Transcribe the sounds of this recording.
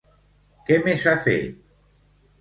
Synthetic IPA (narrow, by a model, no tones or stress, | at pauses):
kemesafḛt̪̚